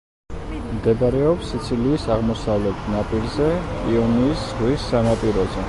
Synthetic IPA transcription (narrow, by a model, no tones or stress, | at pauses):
md̪ɛbaɾɛɔpsit̪sʰiliːsaʁmɔsavlɛt̪ʰnapʼilzɛkʼiɔniːsz̥ʁwisːanapʼiɾɔzɛ